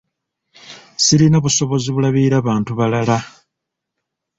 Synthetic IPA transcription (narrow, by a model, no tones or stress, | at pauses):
silinaβuso̞βo̞ziβulaβiɾaβaːntuβalala